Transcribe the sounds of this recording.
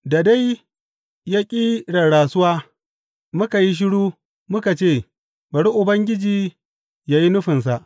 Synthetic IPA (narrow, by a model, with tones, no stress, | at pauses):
da˨da˦j | ja˦kʲʼiː˦ɽɐ˨ɽaː˨sʊ˦waː˦ | mʊ˦ka˨ji˦ʃ̬ɪ˦ɽuː˦ | mʊ˦ka˨t͡ʃeː˦˨ | bɐ˨ɽi˦ʔʊ˨bɐ˦ŋɡʲɪ˦d͡ʒiː˨ | jaː˨ji˦nʊ˦ɸɪ˨ns̬a˨ʔ